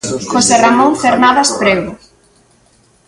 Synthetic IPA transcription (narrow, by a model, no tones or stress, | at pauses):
xoseramõŋfeɾnaðaspɾeɣʊ